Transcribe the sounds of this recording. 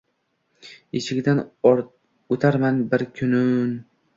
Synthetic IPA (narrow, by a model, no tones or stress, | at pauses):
ɪt͡ʃʰɪɡʲd̪an | ot̪ʰaɾmanbɪɾkʲʰʊnʊn